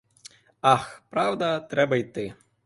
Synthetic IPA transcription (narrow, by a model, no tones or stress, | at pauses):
ɑxpɾɑwd̪ɐt̪ɾɛbɐjt̪ɪ